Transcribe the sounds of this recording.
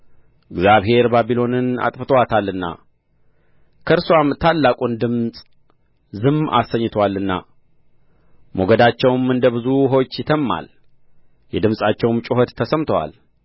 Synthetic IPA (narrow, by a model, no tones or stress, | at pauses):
ʔɨɡzaβɦe̞ɾbabilo̞nɨna̰t̪ʼfɨt̪ʰəwat̪ʰalːɨnːa̰ | kʰəɾswamt̪ʰalːakʼund̪ɨmsʼ | zɨma̰sːəɲːɨt̪ʰwalːɨnːa̰ | moɡəd̪at͡ʃːɛwmɨnd̪əβɨzuɦo̞t͡ʃːjɪt̪ʰəmːa̰l | jɛd̪ɨmsʼat͡ʃːɛwmt͡ʃʼɪɦət̪ʰːəsəmt̪ʰəwa̰l